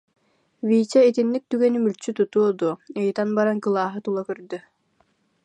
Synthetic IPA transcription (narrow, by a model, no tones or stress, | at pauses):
viːt͡ɕait̪inːik̚t̪yɡɛnymylʲt͡ɕyt̪ut̪uɔd̪uɯjt̪anbaɾaŋkɯlˠaːɦɯt̪ulˠakœɾd̪y